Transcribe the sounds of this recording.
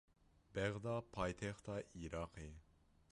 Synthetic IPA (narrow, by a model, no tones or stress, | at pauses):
b̥ɛʁd̪ɑpʰɑjt̪ʰɛχt̪ʰɑʔiɾɑːqʰe